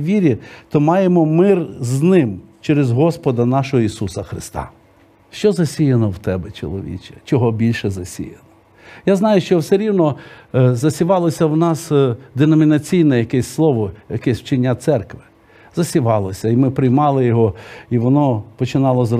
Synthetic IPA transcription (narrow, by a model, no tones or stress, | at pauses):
ʋʲiɾʲit̪ɔmɑjemɔmɪrznɪmt͡ʃɛɾezɦɔspɔd̪ɐnɑʃɔɦɔisusɐxɾɪst̪ɑ̰ | ʃt͡ʃɔzɐsʲijɐnɔwt̪ɛbɛt͡ʃɔ̰lˠɔ̰ʋʲḭt͡ʃɛ̥t͡ʃɔɦɔbʲilʲʃɛzɐsʲḭjɐnɔ | jaznɑjʊʃt͡ʃɔwseɾʲiwnɔzɐsʲɪʋɑlˠɔsʲɐwnɑsd̪enɔmʲinɐt͡sʲijnɛjɐkɛsʲslˠɔʋɔjɐkɛsʲwt͡ʃɪnʲːat̪sɛrkʋɪ | zɐsʲɪʋɑlˠɔsʲɐimɪpɾɪjmɑlˠɪjɔɦɔiʋɔnɔpɔt͡ʃɪnɑlˠɔzr